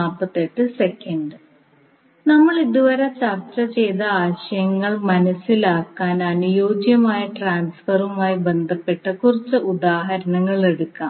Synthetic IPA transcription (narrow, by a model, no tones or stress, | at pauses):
aːpːɐt̪ːeʈːɨsekːɐɳɖɨ | nɐmːɐɭiðuʋɐɾɐt͡ɕɐrt͡ɕɐt͡ɕe̞jt̪ɐaːɕɐjɐŋːɐɭmɐnɐsilaːkːaːnɐnujo̞ːɡjɐmaːjɐʈraːnsfɐrumaːjibe̞nd̪ʱɐpːe̞ʈːɐkurit͡ɕːɨʔud̪aːɦɐɾɐnɐŋːɐɭe̞ɽukːaːm